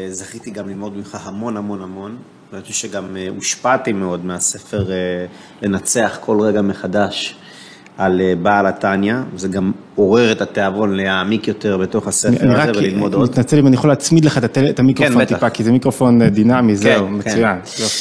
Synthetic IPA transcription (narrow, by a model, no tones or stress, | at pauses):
zaχit̪iɡamlilmo̞d̪mimχahamo̞nhamo̞nhamo̞n | vaatuʃeɡamuʃpat̪imeo̞d̪mease̞fe̞ʁe | le̞nat͡se̞aχkʰo̞lʁeɡame̞χad̪aʃ | alebalatanjavezeɡam | o̞ʁeʁet̪at̪eavo̞nleaːmikjo̞t̪eʁbet̪o̞χaseaniʁavelilmod̪onit̪nat͡selimanijeχolaːt͡smid̪leχat̪at̪elet̪amikʁofot̪ipakizemikʁofo̞nd̪inamizemekt͡sujan | jo